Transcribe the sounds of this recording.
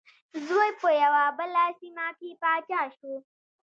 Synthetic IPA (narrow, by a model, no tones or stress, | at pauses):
zwojpojawaːbɐlaːsimaːkiːpaːt͡ʃaːʃu